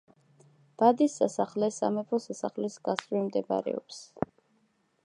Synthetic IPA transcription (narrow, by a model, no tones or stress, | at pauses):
b̥ad̪isasaχlɛsa̰mɛpʰɔsasaχlisɡasɾimd̪ɛba̰ɾɛ̰ɔps